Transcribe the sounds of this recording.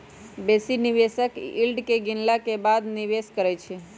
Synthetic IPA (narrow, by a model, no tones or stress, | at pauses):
besiniʋesəkilɖkeɡɪnlakebad̪niʋeskəɾɛt͡ʃʰe